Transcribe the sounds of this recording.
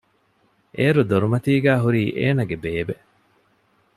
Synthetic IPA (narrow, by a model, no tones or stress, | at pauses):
ʔeːɾud̪oɾumɐt̪iːɡæːɦuɾiːʔeːnɐɡebeːbe